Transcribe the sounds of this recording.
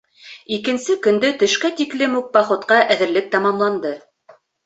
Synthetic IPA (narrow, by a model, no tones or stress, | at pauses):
ikɘ̆nsɘkɵ̆nd̪ɵt̪ɵ̆ʃkæt̪iklɘmuk̚bɑχŏt̪qɑʔæðɘ̆ɾlɘk̚t̪ɑmɑmlˠɑnd̪ɤ